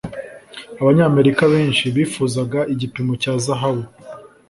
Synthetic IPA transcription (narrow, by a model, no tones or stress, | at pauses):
aβaɲaːme̞ɾikaβe̞ːnʃiβiːfuːzaɡaʔiɟipimo̞caːzaɦaβu